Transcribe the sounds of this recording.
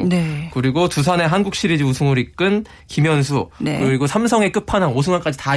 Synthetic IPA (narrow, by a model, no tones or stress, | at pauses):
nekɯɾiɡotusʰane̞ɦanɡuk̚ɕ͈ʰiɾid͡ʑiusʰuŋuɾik͈ɯn | kimjʌnsʰuekɯɾiɡosʰamsʰʌŋe̞k͈ɯpʰanɦaŋosʰuŋɡank͈ad͡ʑita